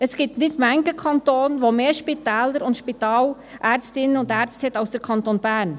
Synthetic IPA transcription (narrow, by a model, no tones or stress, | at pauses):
əsɡ̥iːp̚tnɪtmæŋkəkʰɑntoːnʋomeːʃpitɛːləɾʊntʃpit̪ɑːl | ʔæːɾt͡stɪnəʊndæɾt͡ssthɛtɑʊsd̥əɾkʰɑntoːnb̥æːɾn